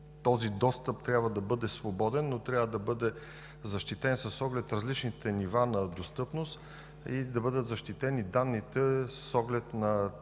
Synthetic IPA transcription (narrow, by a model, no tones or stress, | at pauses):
t̪ɔzid̪ɔst̪əp̚t̪ɾʲabvəd̪ɐbɤd̪ɛsvobɔd̪ɛnːot̪ɾʲjavəd̪ɐbɤd̪ɛ | zɐʃt̪it̪ɛnsɐsɔɡlɛt̪ɾɐzlit͡ʃnit̪ɛnivanɐd̪ost̪ɤpnost̪ | id̪ɐbɤd̪ət̪zəʃt̪it̪ɛnid̪anːit̪ɛssɔɡlɛt̪nɐ